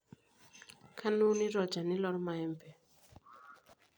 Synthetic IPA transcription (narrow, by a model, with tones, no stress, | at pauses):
kʰa˦nu˦ni˦ɾɔ˨d͡ʒa˨nɪ˦lɔ˦ɾma˨ɛ˦mpɛ˨